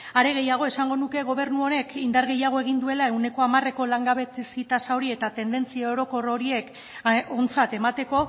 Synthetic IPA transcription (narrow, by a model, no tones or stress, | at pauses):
aɾe̞ɣ̞e̞jaɣ̞o̞e̞saŋɡo̞nuke̞ɣ̞o̞β̞e̞ɾnuo̞ne̞kind̪aɾɣe̞jaɣ̞o̞e̞ɣ̞ind̪ue̞lae̞wne̞ko̞amare̞ko̞laŋɡaβe̞t̪esit̪asawɾie̞t̪at̪e̞nd̪e̞nt͡siao̞ɾo̞ko̞ro̞ɾie̞k | ont͡sat̪e̞mat̪e̞ko̞